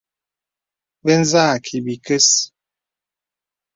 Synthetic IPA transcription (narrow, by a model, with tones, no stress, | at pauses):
be˦n˦zaː˦˨kʰi˨bi˨ke˦s